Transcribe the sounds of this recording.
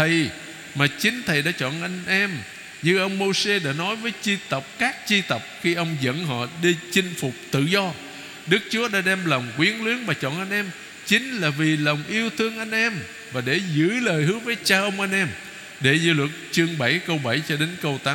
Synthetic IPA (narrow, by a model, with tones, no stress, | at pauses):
t̪ʰə˨˩j | maː˨˩t͡ɕï˨˦ŋ̟t̪ʰə˨˩jɗa̰ː˧˥t͡ɕɔ̰˧˨nʔa˧jŋ̟ʔɛ˧m | ɲɨ˧ʔə˧wŋ͡mmo˧se˧ɗa̰ː˧˥nɔ˨˦jvəː˨˦jt͡ɕi˧t̪ə˨˩k͡p̚kaː˦˥k̚t͡ɕi˧t̪ə˨˩wk͡p̚xi˧ʔə˧wŋ͡mzə̰˧˥nɦɔ̰˧˨ɗi˧t͡ɕï˧ŋ̟fʊ˨˩k͡p̚t̪ɨ̰˧˨zɔ˧ | ɗɨ˦˥k̚t͡ɕu˨˦əɗa̰ː˧˥ɗɛ˧mlə˨˩wŋ͡mkwi˨˦ənlwi˨˦ənmaː˨˩t͡ɕɔ̰˧˨nʔa˧jŋ̟ʔɛ˧m | t͡ɕï˨˦ŋ̟laː˨˩vi˨˩lə˨˩wŋ͡mʔi˧əwt̪ʰɨ˧əŋʔa˧jŋ̟ʔɛ˧m | vaː˨˩ɗe˧˩zɨ̰˧˥ləː˨˩jhɨ˨˦vəː˨˦jt͡ɕaː˧ʔə˧wŋ͡mʔa˧jŋ̟ʔɛ˧m | ɗe˧˩zɨ̰˧˥lwə˨˩t̚t͡ɕɨ˧əŋɓa˧˩jkə˧wɓa˧˩jt͡ɕɔ˧ɗe˨˦nkə˧wt̪aː˨˦